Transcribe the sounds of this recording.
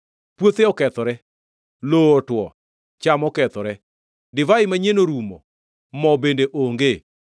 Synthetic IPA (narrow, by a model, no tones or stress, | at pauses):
pwot̪eɔkɛt̪ɔɾɛ | loːtwɔ | t͡ʃamɔkɛt̪ɔɾɛ | dɪvaɪmaɲenoɾumɔ̰ | mɔbendeʔoŋɡe